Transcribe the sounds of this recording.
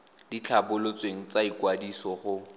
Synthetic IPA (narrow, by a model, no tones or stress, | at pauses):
d̥it͡ɬʰabʊlot͡sʼweŋ̩t͡saikwadisɔχʊ